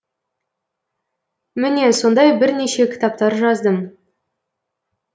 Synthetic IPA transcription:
mɪne̞so̞nd̪ɑjbɪɾne̞ʃe̞kʲʰɪ̥t̪ɑp̚t̪ɑɾʒɑzd̪əm

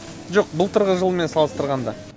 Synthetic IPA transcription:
ʒoq̚bʊlˠt̪ʰəɾʁəʒəlˠme̞nsɑlˠəst̪əɾʁɑnd̪ɑ

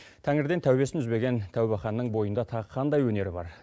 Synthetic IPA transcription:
t̪ʰæŋɪɾd̪et̪ʰæwbe̞sɪnʏzbe̞ɡʲe̞nt̪ʰæwbɑχɑnːəɴbo̞jənd̪ɑt̪ʰɑʁqʰɑnd̪ɑjwɵne̞ɾɪbɑ̰ɾ

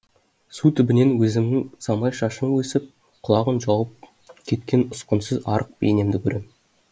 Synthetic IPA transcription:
sut̪ʰɪbɪne̞nwɵzɪmnɪŋsɑmɑjʃɑʃənwɵsɪp̚ | qʰʊlˠɑʁənʒɑwəp̚ | kʲʰe̞t̪kʲe̞nʊsqənsəzɑɾəq̚bḛjne̞md̪ɪkʲʰɵɾʔe̞m

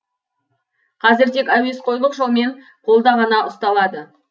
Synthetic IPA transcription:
qʰɑzɪɾt̪ʰe̞kʲæwe̞sqʰo̞jlˠəqʒolˠme̞ɴ | qʰo̞lˠd̪ɑʁɑnɑʔʊst̪ɑlˠɑd̪ə

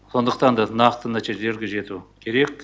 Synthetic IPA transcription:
so̞nd̪əqt̪ɑnd̪ɑnɑqt̪ənæt̪iʒele̞ɾɡʲeʒe̞t̪ukʲʰe̞ɾe̞kʲ

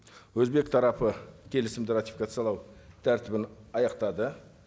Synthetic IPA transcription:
wɵzbe̞k̚t̪ʰɑɾɑpəkʲʰe̞lɪsɪmd̪ɪrat̪i̥fikat̪sɨjɑlˠɑwt̪ʰæɾt̪ɪbɪnɑjɑqt̪ɑd̪ə

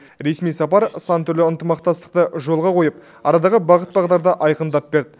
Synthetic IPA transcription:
ɾe̞smijsɑpɑɾsɑnt̪ʰʏɾlɪənt̪əmɑqt̪ɑst̪ə̥q̚t̪əʒo̞lˠʁɑqʰo̞jəp̚ | ɑ̰ɾɑd̪ɑʁəbɑʁət̪̚bɑʁd̪ɑɾd̪ɑʔɑjqənd̪ɑp̚be̞ɾd̪ɪ

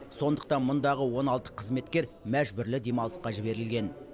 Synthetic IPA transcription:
so̞nd̪ə̥q̚t̪ɑnmʊnd̪ɑʁəwo̞nɑlˠt̪ə̥qʰəzme̞t̪kʲe̞ɾmæʒbʏɾlɪd̪e̞mɑlˠə̥sqɑʒɪbe̞ɾɪlɡʲe̞n

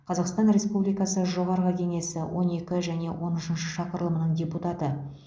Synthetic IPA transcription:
qʰɑzɑqst̪ɑnɾʲe̞spublijkɑsəʒo̞ʁɑɾʁəkʲʰe̞ŋe̞sɪwʔo̞ne̞kʲɪʒæne̞wʔo̞nʏʃənʃəʃɑqəɾlˠəmənəɴdʲe̞put̪ɑt̪ə

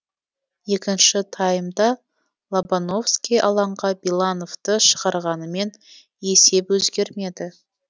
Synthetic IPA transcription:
je̞kʲɪnʃɪt̪ʰɑjəmd̪ɑ | lˠobano̞fskʲijʔɑlˠɑɴʁɑbilˠano̞vt̪əʃə̥ʁɑɾʁɑnəme̞n | e̞se̞pwɵzɡʲe̞ɾme̞d̪ɪ

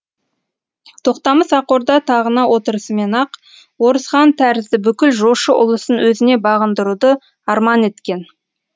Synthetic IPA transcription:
t̪ʰo̞qt̪ɑməsɑqo̞ɾd̪ɑt̪ʰɑʁənɑwʔo̞t̪əɾəsəme̞nɑq | wo̞ɾəsχɑnt̪ʰæɾɪzd̪ɪbʏkʲɪlʒoʃəʔʊ̰lˠəsənwɵzɪne̞bɑʁənd̪əɾud̪ə | ɑɾmɑne̞t̪kʲe̞n

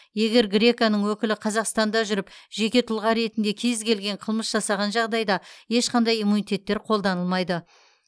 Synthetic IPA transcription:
je̞ɡʲe̞ɾɡɾʲe̞kanəɴwɵkʲɪlɪqʰɑzɑqst̪ɑnd̪ɑʒʏɾɪpʒe̞kʲe̞t̪ʰʊlˠʁɑɾe̞t̪ɪnd̪e̞kʲʰe̞zkʲʰe̞lɡʲe̞ɴqʰəlˠməsʒ̥ɑsɑʁɑnʒɑʁd̪ɑjd̪ɑje̞ʃqʰɑnd̪ɑjimunit̪ʰʲe̞t̪ːe̞ɾqʰo̞lˠd̪ɑnəlˠmɑjd̪ə

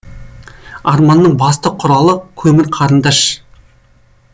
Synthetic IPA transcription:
ɑɾmɑnːəɴbɑst̪əqʰʊɾɑlˠəkʲʰɵmɪɾqʰɑɾənd̪ɑʃ

